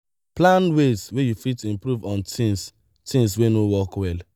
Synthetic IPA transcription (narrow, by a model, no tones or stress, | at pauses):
plãnwezwejufitĩmpɾuvɔ̃ntis | tĩnswenowɔkwɛl